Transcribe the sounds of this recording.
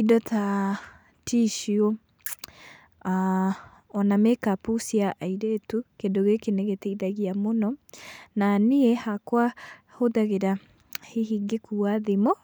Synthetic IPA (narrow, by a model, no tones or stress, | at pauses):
idɔtʰa | tʰiʃio | a | ɔnamekapusiaʔaiɾetukedoɣekeneɣetɛiðaɣiamonɔnaniɛhakwa | hoðaɣeɾa | heɦiːŋɡekuaðemɔ